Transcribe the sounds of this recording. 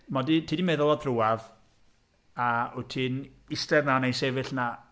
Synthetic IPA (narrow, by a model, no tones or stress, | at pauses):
mɔditʰiːdimɛðɔlˠɔðruwav | aʊtʰiːn | ɪstɛrnanejnsevɨɬna